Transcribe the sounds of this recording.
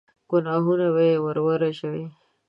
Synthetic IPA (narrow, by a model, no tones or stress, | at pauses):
ɡ̥ʊnɑɦunawewaɾwaɾaʃawe